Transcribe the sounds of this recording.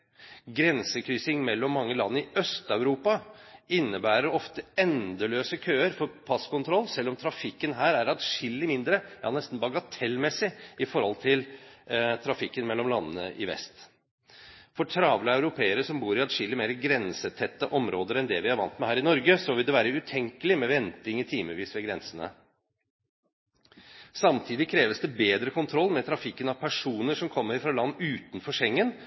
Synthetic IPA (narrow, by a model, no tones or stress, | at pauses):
ɡɾɛnsəkʰɾyːsɪŋmɛlːɔmːɑŋːəlɑ̰nːəɪʔœst̪ɑʉɾuːpɑɪnːəbæːɾəɾɔft̪əɛnd̪əløːsəkʰøːəɾfɔɾpʰɑskʊnt̪ʰɾɔlːsɛlːɔmt̪ʰɾɑfɪkːənɦæːɾæɾɑt̪ʂɪlːɪmɪnd̪ɾəjɑ̰ːnɛst̪n̩bɑɡɑt̪ʰɛlːmɛsːɪɪfɔɾhɔlt̪ʰɪl | t̪ʰɾɑfɪkːənmɛlːɔmlɑnːə̰nə̰ʔɪ̰ʋɛ̰st̪ | fɔʈʰɾɑːʋləɑʉɾʊpʰeːəɾəʂɔmbuːɾɪɑd̪ʂɪlːəmeːɾəɡɾɛnsət̪ʰɛt̪ːəʔɔmɾoːd̪əɾɛnd̪ɛʋɪhɑɾʋɑnt̪mɛhæːɾɪnɔɾɡəsɔʋɪld̪ɛʋæːɾəʉt̪ʰɛŋkəlɪmɛʋɛnt̪ɪŋɪt̪ʰiːməʋiːsʋɛɡɾɛnsənə̰ | sɑmt̪ʰiːd̪ɪkʰɾeːʋəsd̪ɛbeːd̪ɾəkʰʊnt̪ʰɾɔlːmɛt̪ʰɾɑfɪkːənɑʋpʰæʂuːnəʂɔmkʰɔmːəɾfɾɑlɑnːʉːt̪n̩fɔʂɛŋːən